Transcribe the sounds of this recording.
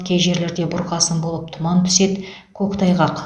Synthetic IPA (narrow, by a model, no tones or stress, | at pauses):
kʲʰejʒe̞ɾle̞ɾd̪e̞bʊɾqɑsənbo̞lˠəp̚t̪ʰʊmɑnt̪ʰʏ̥se̞t̪ | kʲʰɵkt̪ʰɑjʁɑq